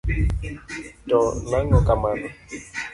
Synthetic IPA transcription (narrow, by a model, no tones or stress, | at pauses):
tɔnaŋɔkamanɔ